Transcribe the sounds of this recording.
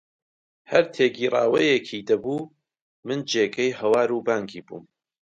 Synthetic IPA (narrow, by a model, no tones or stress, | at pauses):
hɐɾt̪ʰeːɡiːraːwɐjekʰid̪ɐbuː | mɨnd͡ʒeːɡɐjɦɐwaːɾubaːŋɡiːbṵːm